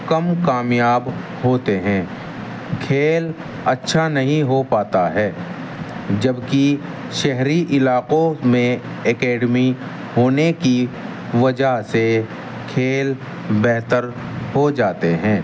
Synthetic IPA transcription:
kɐmkaːmjaːb | ɦoːt̪eɦɛ̃ː | kʰeːl | ɐtːʃʰanɐɦĩɦopaːt̪aɦɛː | d͡ʒɐbki | ʃɛɦɾiʔɪlaːqõmẽ | ɛkɛːɖmi | ɦoːneki | ʋɐd͡ʒase | kʰeːl | bɛɦt̪əɾ | hod͡ʒaːt̪eɦɛ̃ː

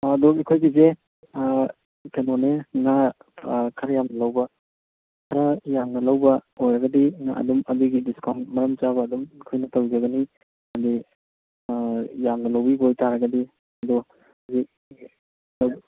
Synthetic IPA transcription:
dɔikʰojɡize | pʰenoneŋa | kʰɐɾɐjamnɐlawbɐ | kʰɐɾɐjamnɐlawbɐojɾɐɡɐdiŋa̰ʔɐ̰dumɐdiɡidiskʰanmɐɾɐmt͡ʃaβɐːdumikʰojnɐtawd͡ʒɐɡɐni | ɐdi | jamnɐlawbibojtaɾɐɡɐdi | ɐdɔ | zik̚ | law

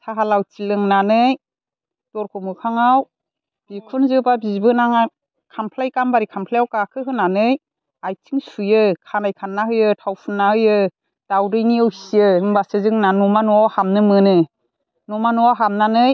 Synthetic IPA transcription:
tʰaɦalawt͡ʃilɯŋnanɯj | d̥ɔɾkʰɔmɯkʰaŋaw | b̥ikʰunzɯbabizbɯnaŋa | kʰampʰlajkambaɾikʰampʰlajawkakʰɯɦɯnanɯj | ajtʰiŋsujɯkʰanajkʰanːaɦɯjɯtʰawpʰɯnːahɯjɯ | d̥awɾɯjniɯwisiɯɯmbasɯzɯŋnanumanɔawhamnɯmɯnɯ | nɔmanɔawɦamnanɯj

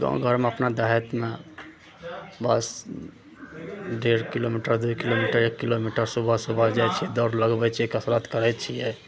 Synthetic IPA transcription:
ɡã̰ɡʱəɾmeəpnad̪aɦɛt̪mẽ | bəs | ɖeɾkilomiʈəɾd̪ukilomiʈəɾekːilomiʈəɾsubʱasubʱad͡ʒat͡ʃʰid̪ɔːɾləɡbɛt͡ʃʰiekəsɾat̪kəɾɛt͡ʃʰijɛ

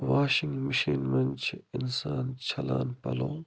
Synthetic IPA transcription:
ʋaːʃɪŋɡməʃiːnmɐnt͡ʃʰɪnsaːnt͡ʃʰɐlaːnpɐ̰lõː

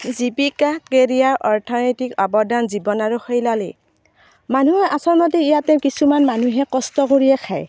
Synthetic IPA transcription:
zipikakeɹijaɹʔɔɹtʰɔnɔjtikɔbɔdanzibɔnaɹuxɔjlalḭ | manuɦɛʔasɔɹmɔt̬iijatɛ̃kisumanmanuɦɛkɔstɔkoɹijɛkʰaj

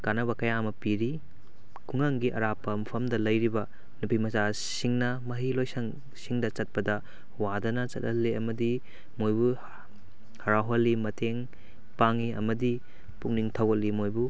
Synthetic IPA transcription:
kanɐβɐkɐjamɐpiɾi | kʰuŋaŋɡiʔɐɾapːɐmɐpʰɐmdɐlɐjɾibɐ | nupimɐza | siŋnɐmɐɦilojsɐŋ | siŋdɐt͡ʃɐt̚pɐdɐ | wadɐnɐt͡ʃɐ̰t̚ɐlːiɐmɐdi | mojbu | hɐɾaɦolːimɐtʰeŋ | paŋiɐmɐdi | puk̚niŋtʰɐwɐt̚lːimojbu

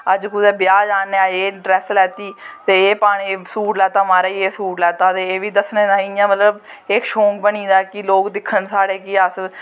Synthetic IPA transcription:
əd͡ʒkʊd̪ɛːbɪjaːd͡ʒaːneːaːeːɖɾɛːslɛːt̪iːt̪eːeːpaːɽ̃iːsuːʈlɛːt̪aːmaːɾaːieːsuːʈlɛːt̪aːt̪eːeːʋiːd̪əsneːd̪aːɪjãːmət̪ləb | ekʃõːŋkbəniːd̪aːkɪloːkd̪ɪkʰːənsaːɽeːkɪəs

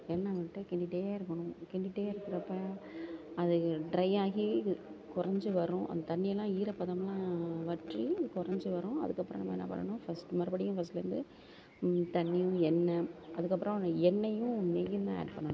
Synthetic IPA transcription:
ɛnːɐmɐʈːɯkɛɳɖɪʈːeːjaːɪɾɯkːɐɳʊ̃kɛɳɖɪʈːeːjaːɪɾɯkːɪɾɐpːa | ɐðɯɖɾɐɪaːɣikʊɾɐɲd͡ʒɯʋɐɾʊ̃ʔɐ̰nd̪ɐt̪ɐnːɪjɐlːãːiːɾɐpːɐðɐmlãːʋɐʈrikʊɾɐɲd͡ʒɯʋɐɾʊ̃ɐ̰ðɯkːɐpːɾɐ̰̃nɐmːɐ̰ɛ̰nːɐ̰pɐ̰ɳːɐ̰ɳʊ̃fɐsʈmɐɾɯbɐɽɪjʊ̃fɐs̬ʈlɐɾɯnd̪ɯ | t̪ɐnːɪjʊ̃ɛnːɐʔɐðɯkːɐpːɯɾɔ̃ɛnːɐjʊ̃nejɯnd̪ãːḛːɖpɐɳːɐɳʊ̃

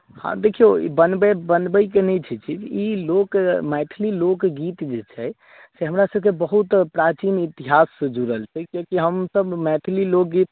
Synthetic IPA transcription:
hã̰d̪ekʰijo̰bənbebənbəjkenɛt͡ʃʰɛt͡ʃʰiilokmɛʈ̪ʰlilokɡit̪d͡ʒet͡ʃʰɛ | seɦəmɾasəb̚kebəɦut̪pɾat͡ʃinit̪iɦasd͡ʒuɾəlt͡ʃʰɛkokiɦəmsəbmɛʈ̪ʰlilok̚ɡit̪̚

